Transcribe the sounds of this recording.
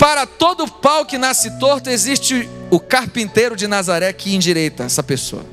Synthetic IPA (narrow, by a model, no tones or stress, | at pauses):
paɾɐt̪od̪ʊpawkɪnasɪt̪oɾt̪ʊeziʃt͡ʃɪʊkahpĩnt̪ejɾʊd͡ʒɪnazaɾɛakʰiẽj̃d͡ʒiɾejt̪ɐɛsɐpeso̰ɐ̰